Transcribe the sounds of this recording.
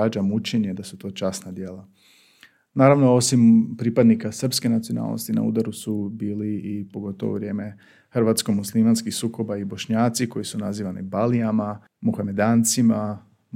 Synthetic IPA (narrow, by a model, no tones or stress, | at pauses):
ad͡ʒamut͡ʃeɲed̪asut̪o̞ːt͡ʃasnad̪je̞ːla | naːɾaʋno̞o̞simpɾipad̪nikasr̩pske̞nat̪siona̰ːlno̰st̪ina̰ṵːd̪aɾusubiːliipo̞ɡo̞t̪oʋo̰ʋɾje̞ːme̞ | xrʋaːt̪skomuslˠimanskixsuːko̞baibo̞ʃɲaːt̪siko̞jisunaziːʋanḭbaliama | muxame̞d̪aːnt̪sima